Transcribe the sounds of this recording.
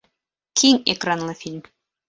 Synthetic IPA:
kʰiŋekranlˠɤfʲilʲm

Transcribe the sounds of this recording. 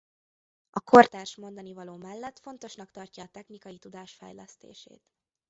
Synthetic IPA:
ɒkʰo̞rt̪aːrʃmo̞nd̪ɒnivɒloːmɛlːɛt̪fo̞nt̪o̞ʃnɒkt̪ɒrcɒːt̪ɛxnikɒjit̪ud̪aːʃfɛ̰jlɛst̪ḛːʃḛːt̪

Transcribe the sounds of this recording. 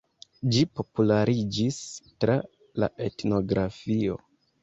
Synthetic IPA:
d͡ʒipo̞pulaɾid͡ʒistɾa | la̰ʔe̞tno̞ɡɾafio̞̰

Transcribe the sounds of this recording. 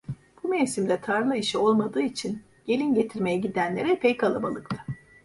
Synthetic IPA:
b̥umejsimd̪ʲɛt̪ʰaɾlˠɯiʃio̞lˠmad̪ɯːit͡ʃʰin | ɟ̥e̞lʲinɟe̞t̪ʰiɾme̞jɛɟid̪ænlʲe̞ɾɛpʰɛjkʰalˠabalˠɯkt̪ʰɯ̥

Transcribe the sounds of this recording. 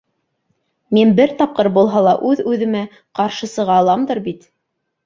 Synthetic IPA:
minbɘɾt̪ɑp̚qɤɾbulˠɦɑlˠɑʔʉðʉðɘ̆mæ | qɑɾʃɤ̆sɤ̆ʁɑːlˠɑmd̪ɤɾbit̪

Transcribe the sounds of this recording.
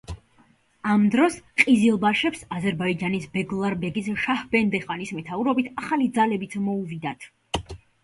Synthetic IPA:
amd̪ɾɔsqʼizilˠbaʃɛpsazɛɾbaid͡ʒanisbɛɡlˠaɾbɛɡisʃahbɛnd̪ɛχanismɛt̪ʰauɾɔbit̪ʰaχalid̪zalɛbit̪sʰmɔuvid̪at̪ʰ

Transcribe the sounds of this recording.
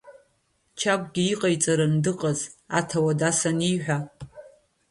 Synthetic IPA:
t͡ʃʰakʷʼɡʲiiqʼajt͡sʼaɾandɨqʼaza̰tʰawadasaniħʷᶣa

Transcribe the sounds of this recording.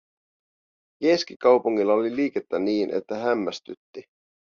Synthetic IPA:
keskikɑwpuŋːilːɑoliliːke̞t̪ːæniːnʔḛt̪ːæɦæmːæst̪yt̪ːi

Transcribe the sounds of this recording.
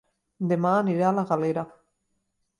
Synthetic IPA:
d̪emaniɾalaɣaleɾa

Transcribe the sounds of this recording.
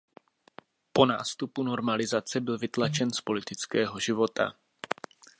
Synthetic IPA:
po̞na̰ːst̪upuno̞ɾmalɪzat͡sɛbɪlvɪt̪lat͡ʃɛnspo̞lɪt̪ɪt͡skɛːɦo̞ʒɪvo̞t̪a̰

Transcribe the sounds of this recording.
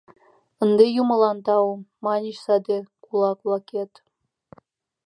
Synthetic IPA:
ə̆nd̪ejumɤ̆lɑnt̪ɑumɑnʲiɕsɑd̪ekulˠɑkβlˠɑket̪

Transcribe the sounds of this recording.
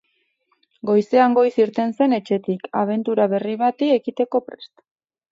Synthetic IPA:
ɡo̞jse̞aŋɡo̞jsiɾt̪e̞nse̞ne̞t͡ʃe̞t̪ikaβ̞e̞nt̪uɾaβe̞riβ̞at̪ie̞kit̪e̞ko̞pɾe̞st̪

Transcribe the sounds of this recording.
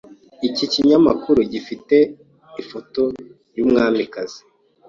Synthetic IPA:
iciciɲamakuɾuɟifite̞ | ifoto̞ | ɾjuːmŋaːmikazi̥

